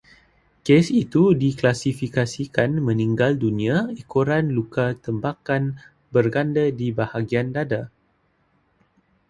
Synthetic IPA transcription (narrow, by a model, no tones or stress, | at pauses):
kesit̪udiklasifikasikanmə̃nĩŋɡaldunĩaikoɾanlukat̪əmbakan | bərɡandədibahaɡiandada